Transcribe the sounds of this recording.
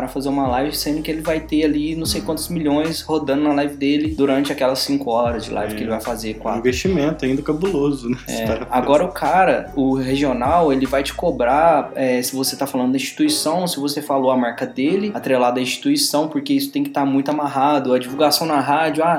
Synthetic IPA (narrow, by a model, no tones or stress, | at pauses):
ɾɐfazeɾũmɐlajvɪsẽd̪ʊkɪelɪvajt̪ealinɐ̃w̃sejkwɐ̃nt̪ʊzmiʎõj̃shod̪ɐ̃nd̪ʊnɐlajvɪd̪elɪd̪uɾɐ̃nt͡ʃɪakɛlɐsːĩkʊɔɾɐzd͡ʒɪlʔa̰jvɪkɪelɪvajfazekw̃aĩvest͡ʃimẽnt̪ʊaĩd̪ɐkabulozʊnɛɛɛaaɡɡɔɾɐʊkʰaɾɐʊɦeʒionawelɪvajt͡ʃɪ̥kobɾaɛsɪvoset̪afalɐ̃nd̪ʊd̪ɐĩʃt͡ʃi̥t̪uisɐ̃w̃sɪvosefaloɐmaɾkɐd̪elɪat̪ɾelad̪ɐĩst͡ʃi̥t̪uisɐ̃w̃poɾkeisʊ̥t̪ẽj̃kɪt̪aɾmũj̃t̪ʊamaɦad̪ʊɐd͡ʒivuwɡasɐ̃w̃nɐɦad͡ʒʊa